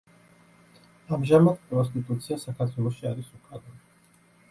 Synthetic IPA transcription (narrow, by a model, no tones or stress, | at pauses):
amʒamad̪pʼɾɔst̪ʼit̪ʼut̪sʰiasakʰaɾt̪ʰwɛlˠɔʃiaɾisukʰʼad̪ɔ